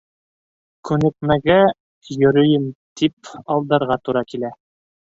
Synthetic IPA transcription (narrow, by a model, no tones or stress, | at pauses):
kʉnɘ̆k̚mæɡæ | jɵ̆ɾɵ̆jɘmt̪ʰip̚ɑlˠd̪ɑɾʁɑt̪uɾɑkilæ